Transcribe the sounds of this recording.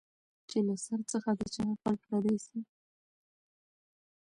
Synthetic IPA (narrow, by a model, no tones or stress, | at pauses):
t͡ʃelasaɾt͡səxad̪ət͡ʃanaxalkɾad̪esi